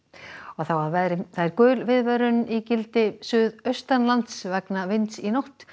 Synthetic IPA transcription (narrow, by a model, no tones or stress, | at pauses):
ɔɣθawaðvɛðɾɪθaɪɾkœːlvɪðvɛɾʏnicɪlt̪ɪsʏːðœɥst̪anlant̪svɛknavɪnt̪sinowht̪